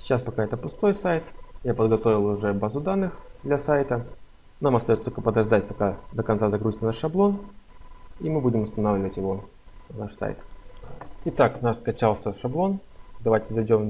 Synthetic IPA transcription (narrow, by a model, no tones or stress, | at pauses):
sʲɪt͡ɕaspɐkaɛt̪əpʊst̪o̞jsajt̪japəd̪ɡɐt̪o̞vʲɪlˠʊʐɛbazʊd̪anːɨxd̪lʲɐsajt̪ə | namɐst̪ɐjost̪olʲkəpəd̪ɐʐd̪atʲpɐkad̪əkɐnt̪azɐɡɾuzʲt̪naʂːɐblˠo̞n | imɨbudʲɪmɐst̪ɐnavlʲɪvətʲjɪvo̞ | vnaʂsa̰jt̪ | ɪt̪aknaʂskɐt͡ɕalˠsʲəʂɐblˠo̞n | d̪ɐvajtʲɪzɐjdʲo̞m